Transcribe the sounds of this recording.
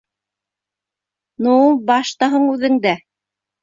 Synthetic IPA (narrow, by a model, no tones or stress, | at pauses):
nubɑʃt̪ɑɦɤɴʉðɘ̆ŋd̪æ